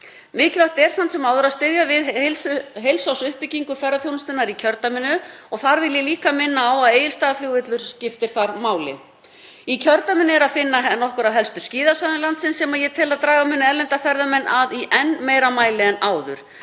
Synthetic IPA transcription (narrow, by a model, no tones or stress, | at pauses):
mɪːcɪlaht̪ɛɾ̥samt̪sɛmawðʏɾaðst̪ɪðjavɪðlsɦejlsawsʏhpɪciŋkʏfɛrːaθjownst̪ʏnaɾicʰœɾt̪amɪnːʏɔɣθaɾvɪljɛliːkamɪnːaːwaðeːjɪlst̪aːðafloːɣɪt̪lʏɾ̥scɪft̪ɪɾ̥θaɾmaːwlɪ̰ | icʰœɾt̪amɪnːɪɛɾaðfɪnːanːɔhkʏɾaðɦɛlst̪ʏɾ̥sciːðasvaðɪnlant̪sɪnsːɛmaðjɛt̪ʰɪlaðt̪ɾaːɣamɪnːɛlɛnt̪afɛɾðamɛnːʔaðiʔɛnmeːjɾamaːjlɪɛnaːwðʏ̰ɾ̥